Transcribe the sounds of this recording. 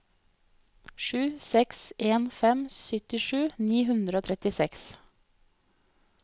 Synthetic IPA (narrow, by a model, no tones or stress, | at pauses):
ʃʉːsɛksʔeːnfɛmsʏt̪ɪʃʉːniːɦʉnd̪ɾəoːt̪ʰɾɛt̪ɪsɛks